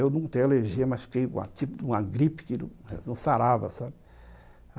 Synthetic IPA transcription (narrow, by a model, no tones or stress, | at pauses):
ewnɐ̃t̪ẽj̃eleɾʒiɐmasfi̥kejũmɐ̰t̪ipʊd̪ũɐɡɾipɪ̥kɪñ̰nɐ̃saɾavɐ̰sabɪ